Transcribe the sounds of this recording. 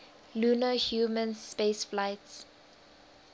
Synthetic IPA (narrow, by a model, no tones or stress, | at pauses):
luːnəhjuːmə̃nspeːsflaɪts